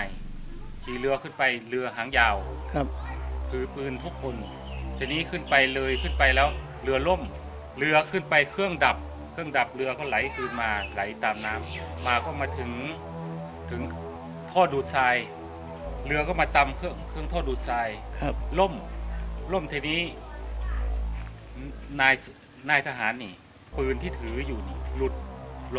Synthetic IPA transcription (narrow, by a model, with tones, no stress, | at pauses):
a˧j | t̪ʰiː˧˩lɯ˧ɐkʰɯ˧˥˩npa˧jlɯ˧ɐɦaː˨˦ŋjaː˧˩w | pʰɯː˧˩pɯː˧nt̪ʰu˧˥˩kʰːo˧n | t̪ʰiː˧niː˧˥˨kʰɯ˧˥˩npa˧jlɤː˧jkʰɯ˧˥˩npa˧jlɛː˦˥w | lɯ˧ɐlo˥˩˨m | lɯ˧ɐkʰɯ˧˥˩npa˧jkʰɯ˥˩əŋda˨˩p̚ | kʰɯ˥˩əŋda˨˩p̚lɯ˧ɐkɔː˧˥˩wla˨˦jkʰɯː˧˩nmaː˧la˨˩˦jt̪aː˨mnaː˦˥˨mːaː˧kɔː˧˩wmaː˧˥t̪ʰɯ˨˦ŋ | t̪ʰɯ˩˦ŋ | t̪ʰɔː˥˩duː˨˩t̪̚saː˧j | lɯ˧ɐkʰɔː˥˩wmaː˧t̪a˧mkʰɯ˥˩əŋkʰɯ˥˩əŋt̪ʰɔː˧˥˩duː˨˩t̪̚saː˧jlo˥˩˨mlo˥˩˨mt̪ʰiː˧niː˦˥˩ | naː˧j | naː˧˩jt̪ʰa˧ɦaː˩˦nːiː˧˩ | pɯː˧nt̪ʰiː˥˩t̪ʰɯː˨˩˦juː˨˩ni˧˩lu˧˩t̪̚